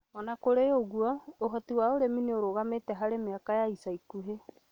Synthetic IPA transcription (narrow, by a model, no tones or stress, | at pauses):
ɔnakoɾeoɣuɔoɦɔtiwaoɾemineoɾoɣametɛɦaɾemeakajaisaikuɦe